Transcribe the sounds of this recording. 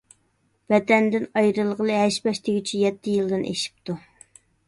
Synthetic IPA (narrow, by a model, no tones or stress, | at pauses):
vɛd̪ɛnd̪ɪnɑjɾɨlˠʁəlˠɨɦɛʃbɛʃt̪ʰeɡʲit͡ʃʰijɛt̪ʰːɪjɨlˠd̪ɨnʔḛʃi̥p̚t̪u